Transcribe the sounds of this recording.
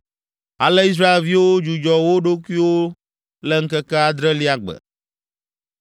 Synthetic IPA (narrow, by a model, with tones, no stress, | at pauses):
a̰˨lɛ˦i˦s̬ɾa˦e˨lvi˦wo˦d͡ʒu˨d͡ʒɔ˨wo˦ɖo˦ku˦i˦wo˦ | lɛ˦ŋ̩˦kɛ˦kɛ˦a˦d̪ɾɛ˦li˦a˦ɡ͡bɛ̰˨